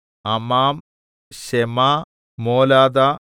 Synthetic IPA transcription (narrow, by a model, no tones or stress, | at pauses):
ɐmaːm | ʃemaː | moːlaːd̪a